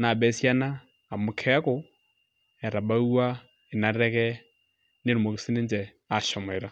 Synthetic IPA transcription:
na˨bɛ˦sja˦naː˦˨ | mu˨kʰɛ˦ko˨ | ɛ˨ɾa˨ba˦u˦a˦ | e˨na˨ɾɛ˦kɛ˦ | ne˦ɾu˨mo˨ke˨˦si˦ne˦nd͡ʒɛ˨ | a˨ʃɔ˨m˨ɛ˨ɾa˦

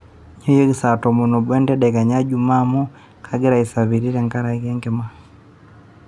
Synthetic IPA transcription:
ɲɔ˦jo˦ɡi˦sa˨tɔ˨mo˨no˨bwɛ˦ndɛ˦ɗɛ˨ɡa˨ɲa˦d͡ʒu˦ma˦mu˦ | kʰaɡɪ˦ɾa˨i˨sa˨βi˨ɾi˦ɾɛ˨ŋka˦ɾa˨ikɛ˦ŋɡɛ˦ma˦

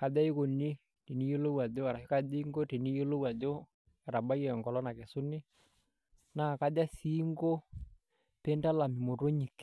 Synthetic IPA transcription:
ka˨da˦i˦ko˨ni˦ | te˨ni˦jo˦lo˦wa˨do˦a˨ɾa˨˦ka˦di˦ŋɡo˦te˨ni˦jo˦lo˦wa˨d͡ʒo˦ | ɛ˨ɾa˨ba˦jɛ˨ŋɡɔ˨lɔ˦na˨kɛ˨sʊ˦ni˦ | na˦˨ka˦da˦si˦ŋɡo˦ | pe˦nda˦la˨mi˨mo˨to˦ɲi˨k

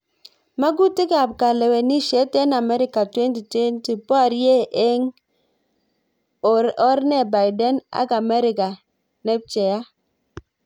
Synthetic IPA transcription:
ma˦ɡu˦tɪ˦ka˨p̚ka˨lɛ˨wɛ˨ni˦ʃe˨˦tɛ˦na˨mɛ˦ɾɪ˦ka˨twe˦nti˨twe˦nti˨pa˦˨ɾje˦ʔe˦ŋ | ɔ˦ɾnɛ˦˨ba˨jdɛ˦na̰˦ka˨mɛ˦ɾɪ˨ka˨ | nɛ˦p̚t͡ʃɛ˨ja˦

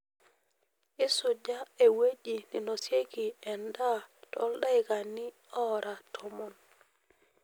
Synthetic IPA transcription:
ɪ˦sʊ˨d͡ʒa˦e˨we˦d͡ʒi˨ni˨nɔ˨sje˦ki˨ɛ˨nda˦tɔ̰˦lɗa˦ɪ˨ka˨nɪ˦ | ɔ˦ɾʔa˨tʰɔ˦mɔ˨n

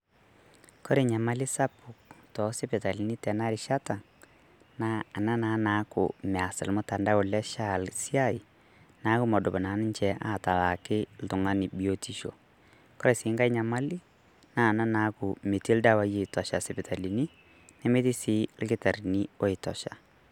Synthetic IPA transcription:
kɔ˦ɾe˨ɲa˨ma˦li˦sa˦pʊ˨ktɔ˨sɪ˦pɛ˨ta˨li˨ni˦tɛ˨na˦ɾɪʃa˦ta˨ | na˦˨na˦naː˨˦na˨˦kʊ̰˨mɛ˨a˨sɪ̰˨lmʊ˦ta˨nda˦ʊ˨lɛ˦ʃa˦˨lsi˦a˦˨i˨ | na˨˦kʊ˦mɔ˨dʊ˨bɔ˨naː˨˦nɪ˦nt͡ʃɛ˨aː˦˨ta˨la˨kɪ˦l̩˦tʊ˨ŋa˦ni˨bi˨o˦ti˦ʃo̰˨ | kɔ˦ɾɛ˨sɪː˨˦ŋɡa˦jɲa˨ma˦li˦ | na˦˨na˦na˨˦kʊ˨me˨ti˦lda˦˨wa˦je˦˨tɔ˨ʃa˨sɪ˨pɪ˨ta˨li˨ni˦ | nɛ˦me˦ti˦si˨˦lkɪ˦ta˨ɾni˦o˦ɪ˨tɔ̰˨ʃa̰˨

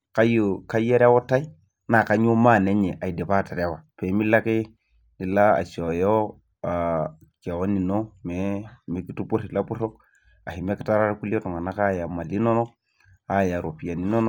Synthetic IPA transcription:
ka˦jo˨ka˦je˦ɾa˦wo˦ta˦i˦ | na˨ka˨ɲo˦ma˦˨ne˦ɲe˨ʔa˨i˨de˨pa˦ta˨ɾe˦wa˨pe˨˦mi˦la˦ki˦ | i˨la˦a̰˨t͡ʃo˨jo˦ | a˨ | ke˨wo˦ni˨no˦me˦mi˨˦ki˦tu˦pu˦ɾi˨la˦pu˦ɾo˦k | a̰˨hi˨me˦ki̥˦ta˦ɾa˦ɾa˦ku˦lo˦tu˨ŋa˨na˦ka˦ja˨ma˨li˦no˦no˦ | a˦ja˨ɾo˨pi˨ja˨ni˦no˦no˦

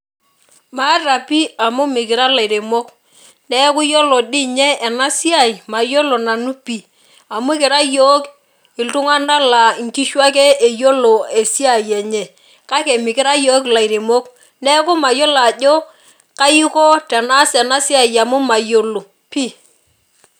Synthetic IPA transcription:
ma˦ra˨pi˦a˨mʊ˦mɪ˨k̬ɪ˨ɾa˦la˨i˨ɾe˨mo˦k | nɛ˦kʊ˦jo˦lo˨ɗɪ˦ɲɛ˦ɛ˨na˦si˦a˦˨jma˨jo˦lo˨na˨nu˦pi˦ | a˨mʊ˦kɪ˨ɾa˦jo˦k | ɪ˨ltʊ˦ŋa˦na˦la˨ŋki˦ʃwa˦k̬ɛ˦e˨jo˦lo˨e˨si˦a˦˨jɛ˨ɲɛ˨ | ka˦kɛ˨mɪ˨kɪ˦ɾa˦joː˦kla˨i˨ɾe˨mo˦k | nɛ˦kʊ˦ma˨jo˦la˨ʄo˦ | ka˦i˦ko˦tɛ˨na˦sɛ˨na˦si˦a˨ja˨mu˦ma˨jo˦lo˨ | pi˦

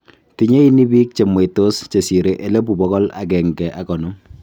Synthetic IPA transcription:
ti˦ɲe˦i˦ni˦bi˦k̚t͡ʃe˨mwe˨to˦st͡ʃe˨si˨ɾe˨ʔe˦le˦p̬u˨pɔ˦kɔ˦la̰˨k̬ɛ˨ŋɡɛ˨ʔa˨kɔ˨no˦ŋ

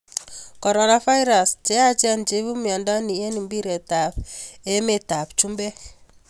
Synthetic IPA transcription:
kɔ˨ɾɔ˨na˨fa˦i˦ɾa˨st͡ʃe˦a˦t͡ʃi˦a˦nt͡ʃe˦βu˦mja˨nda˦ni˨je˦ni˨mbi˦ɾe˨ta˨pe˦me˦˨ta˨pt͡ʃu˦mbe˦

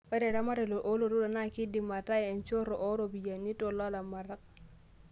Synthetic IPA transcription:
e˦ɾe˨ɾa˦ma˦ɾe˨lo˨ʔo˦lo˨ɾo˦do˨na˦ki˦di˨ma˨ta˦˨e˨nt͡ʃo˦ɾo˨ʔo˦ɾo˨bi˨ja˨ni˦to˨la˦la˨ma˨ɾa˦k̚

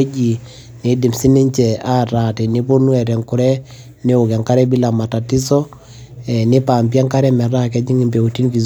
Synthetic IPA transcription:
d͡ʒi˨ | ni˨di˨msi˦ni˦ɲt͡ʃɛ˨a˦˨ɾa˨ti˨ni˦po˦nu˦ɛ˨ɾɛ˨ŋku˨ɾɛ˦ | ne˦u˨ka˨ŋka˦ɾɛ˦bi˦la˨ma˨ta˨ti˦sɔ˦ | ɛ˨nɪ˦paː˨mpja˦ŋka˦ɾɛ˦mɛ˨ɾa˦kɛ˦d͡ʒi˦ŋi˨mbe˨u˨ti˦nki˨z

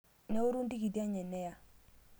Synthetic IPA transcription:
ne˦u˦ɾu˦ndi˦ki˨di˦a˦ɲɛ˨nːɛ˦ja˨

